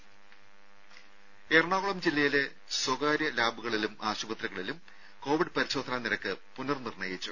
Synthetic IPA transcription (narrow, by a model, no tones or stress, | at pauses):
erɳaːʋuɭɐmd͡ʑilːɐjile̞ | swɐɣaːɾjɐlaːbuɣɐɭilumaːɕubɐt̪ɾɐɣɐɭilum | ko̞ːʋiɖɨpɐɾiɕo̞ːd̪ʰʱɐnaːniɾɐkːɨpunɐrnirɳɐjit͡ɕːu